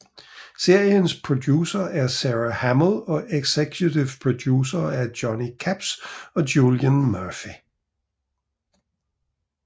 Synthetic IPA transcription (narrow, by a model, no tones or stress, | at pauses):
se̝ɐ̰jənspʰʁod̥juːsɐʔæɐsæʁɐhæmlˠɒ̽ʔeɡ̥sekʰjut͡sʰiʊpʰʁod̥juːsɐæɐd̥jɒnikʰæb̥sɒ̽djuljənmœɐfi